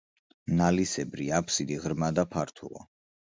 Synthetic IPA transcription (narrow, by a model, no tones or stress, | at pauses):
nalisɛbɾiapʰsid̪iʁɾmad̪apʰaɾt̪ʰṵlˠɔ̰